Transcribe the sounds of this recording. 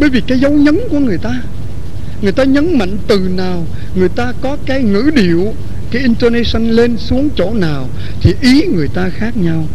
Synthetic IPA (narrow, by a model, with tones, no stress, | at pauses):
ɓə˧˦jvi˨˩kaː˨˦jzə˨˦wɲə˨˦nku˧˩əŋɨ˨˩əjt̪aː˧ | ŋɨ˨˩əjt̪aː˧ɲə˨˦nma̰˧˨ŋ̟t̪ɨ˨˩naː˨˩w | ŋɨ˨˩əjt̪aː˧kɔ˨˦kaː˨˦jŋɨ̰˧˥ɗi˨˩˨əw | kaː˨˦jʔi˧nt̪ə˧ne˧sə˧nle˧nsu˨˦əŋt͡ɕo̰˧˩naː˨˩w | t̪ʰi˨˩ʔi˨˦ŋɨ˨˩əjt̪aː˧xaː˦˥k̚ɲa˧w